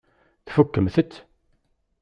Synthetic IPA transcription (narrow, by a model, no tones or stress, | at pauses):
θfukːəmθət̪ː